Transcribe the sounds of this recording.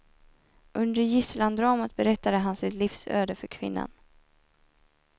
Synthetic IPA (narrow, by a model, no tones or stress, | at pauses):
ʔɵnd̪əɾjɪsland̪ɾɑːmət̪̚bɛɾɛt̪ːad̪əɦansɪt̪lifsø̰ːd̪əfœɾkʰvɪ̰nːa̰n